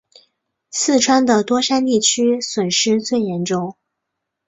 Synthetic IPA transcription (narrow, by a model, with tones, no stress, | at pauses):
sɹ̩˥˩ʈ͡ʂʰwa˥nd̪ə˨t̪wɔ˥ʂa˥nt̪i˥˩t͡ɕʰy˥swə˨˩nʂɻ̩˥t͡swe˥˩ɪjɛ˧˥nʈ͡ʂʊ˥˩ŋ